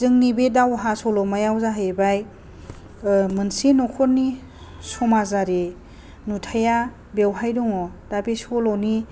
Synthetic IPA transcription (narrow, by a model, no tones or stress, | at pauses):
zɯŋnibedawɦasɔlɔmajawzaɦajebaj | mɯnsinɔkʰɔɾni | sɔmazaɾe | nutʰaja | bewɦajdɔŋɔd̥abesɔlɔni